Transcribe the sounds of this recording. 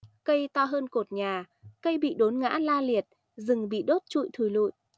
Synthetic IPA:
kə˧jt̪ɔ˧ɦəː˧nko˨˩t̚ɲaː˨˩ | kə˧jɓḭ˧˨ɗo˨˦nŋa̰ː˧˥laː˧li˨˩ət̚ | zɨ˨˩ŋɓḭ˧˨ɗo˦˥t̚t͡ɕṵ˧˨jt̪ʰu˨˩jlṵ˧˨j

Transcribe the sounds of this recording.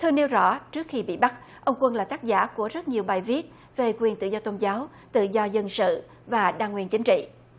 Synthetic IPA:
t̪ʰɨ˧əne˧wzɔ̰˧˥t͡ɕɨ˦˥ək̚xi˧ɓḭ˧˨ɓa˦˥t̚ʔə˧wŋ͡mkwə˧nlaː˨˩t̪aː˦˥k̚za̰ː˧˥ku˧˩əzə˦˥t̚ɲi˨˩əwɓaː˨˩jvi˦˥ət̚ | ve˨˩kwi˨˩ənt̪ɨ̰˧˨zɔ˧t̪o˧nzaː˨˦w | t̪ɨ̰˧˨zɔ˧zə˧nsɨ̰˧˨ | vaː˨˩ɗaː˧ŋwi˨˩ənt͡ɕi˨˦ŋ̟t͡ɕḭ˧˨

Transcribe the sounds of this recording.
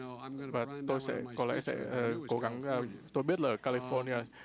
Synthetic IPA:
vaː˨˩t̪o˧jsɛ̰˧˥kɔ˨˦lɛ̰˧˥sɛ̰˧˥əː˨˩ko˨˦ɣa˨˦ŋaː˨˩t̪o˧jɓi˦˥ət̚laː˨˩ʔkaː˧li˧fɔ˧ni˧aː˧

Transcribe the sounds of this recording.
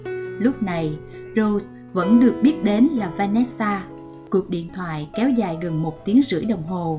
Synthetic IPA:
lʊ˦˥k͡p̚na˨˩j | zo˧s | və̰˧˥nɗɨ˨˩ək̚ɓi˦˥ət̚ɗe˨˦nlaː˨˩vaː˧nɛ˦˥saː˧ | ku˨˩ək̚ɗḭ˧˨ənt̪ʰwa̰ː˧˨jkɛ˨˦wza̰ː˧˨jɣə˨˩nmo˨˩t̚t̪i˨˦əŋzɨ̰˧˥əjɗə˨˩wŋ͡mɦo˨˩

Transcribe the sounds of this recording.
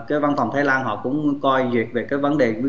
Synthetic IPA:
kaː˨˦jva˧nfa˨˩wŋ͡mt̪ʰaː˨˦laː˧nɦɔ̰˧˨kʊ̰˧˥ŋ͡mkɔ˧jzi˨˩ət̚ve˨˩kaː˨˦jvə˨˦nɗe˨˩˧

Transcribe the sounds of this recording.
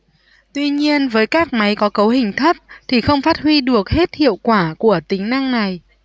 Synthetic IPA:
t̪wi˧ɲi˧ənvəː˨˦jkaː˦˥k̚ma˨˦jkɔ˨˦kə˨˦whï˨˩ŋ̟t̪ʰə˦˥p̚t̪ʰi˨˩xə˧wŋ͡mfaː˦˥t̚hwi˧ɗɨ˨˩ək̚he˦˥t̚hḭ˧˨əwkwaː˧˩ku˧˩ət̪ï˨˦ŋ̟na˧ŋna˨˩j

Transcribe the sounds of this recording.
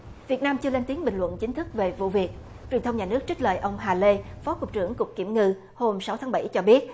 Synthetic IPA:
vi˨˩ət̚naː˧mt͡ɕɨ˧əle˧nt̪i˨˦əŋɓï˨˩ŋ̟lwə̰˧˨nt͡ɕï˨˦ŋ̟t̪ʰɨ˦˥k̚ve˨˩vṵ˧˨vi˨˩ət̚ | t͡ɕwi˨˩ənt̪ə˧ŋ͡mɲaː˨˩nɨ˦˥ək̚t͡ɕi˦˥k̚lə̰ː˧˨jʔə˧wŋ͡mɦaː˨˩le˧fɔ˨˦kʊ˨˩k͡p̚t͡ɕɨ˧˩əŋkʊ˨˩k͡p̚ki˧˩əmŋɨ˧ | ho˧msa˨˦wt̪ʰaː˨˦ɓa̰˧˩jt͡ɕɔ˧ɓi˦˥ət̚

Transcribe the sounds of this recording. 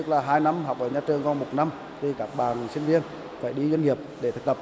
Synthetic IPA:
ɨ˦˥k̚laː˨˩ɦaː˧jna˧mɦa˨˩wk͡p̚ʔəː˧˩ɲaː˧t͡ɕɨ˨˩əŋkɔ˧nmo˨˩t̚na˧m | t̪ʰi˨˩kaː˦˥k̚ɓaː˨˩nsi˧ŋ̟vi˧ən | faː˧˩jɗi˧zwnŋi˨˩əp̚ɗe˧˩t̪ʰɨ˨˩k̚t̪p̚

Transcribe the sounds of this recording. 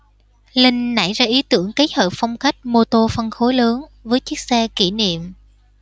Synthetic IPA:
lï˧ŋ̟na̰˧˩jzaː˧ʔi˨˦t̪ɨ˧˩əŋka˨˦j̚həː˨˩p̚fɔ˧wŋ͡mxa˦˥jk̟̚mo˧t̪o˧fə˧nxo˨˦jləː˨˦nvəː˨˦jt͡ɕi˦˥ək̚sɛ˧ki˧˩nḭ˧˨əm

